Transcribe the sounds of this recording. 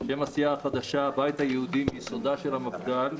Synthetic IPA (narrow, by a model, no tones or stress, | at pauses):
ʃe̞masijaːχad̪aʃabajt̪hajehud̪imːsod̪aʃelhamafɡal